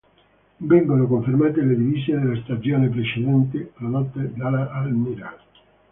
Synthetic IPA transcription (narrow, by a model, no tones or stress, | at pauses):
bɛŋɡonokoɱfiɾmat̪eleðivisjeðelast̪ad͡ʒjonep̬ɾesedɛnt̪̬elanɔt̪ːed̪alaʔalmiɾa